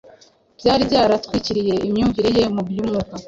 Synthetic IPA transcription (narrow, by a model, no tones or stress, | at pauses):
b̥jaːɾibjaːɾatkwiciɾije̞ʔimɲuːɱviɾeje̞mubjumuka